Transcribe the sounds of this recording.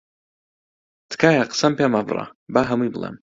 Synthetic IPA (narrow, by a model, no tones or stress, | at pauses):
t̪ʰkʰaːjaqə̥sɐmpamabrɑ̰baːɦɐmujbɨlˠḛm